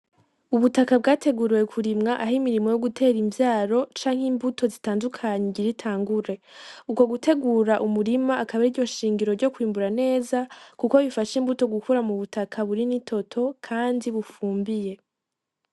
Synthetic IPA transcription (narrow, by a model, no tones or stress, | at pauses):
uβutakab̚ɡaːte̞ɡuɾiwe̞kʰuɾimŋaʔaɦimiɾimo̞jo̞ɡutʰe̞ːɾiɱvjaːɾo̞t͡ʃaːŋ̥iːmbutʰo̞zitaːndukʰaɲeɟiɾitʰaːŋɡuɾe̞uko̞ɡutʰe̞ɡuːɾaʔumuɾimaːkaβaɾiɾɟo̞ʃiːŋɟiɾo̞ɾɟo̞kwiːmbuɾane̞ːzakukoβifaʃiːmbuto̞ɡukuɾamuβutakʰaβuɾinitʰo̞tʰo̞kʰaːndiβufuːmbije̞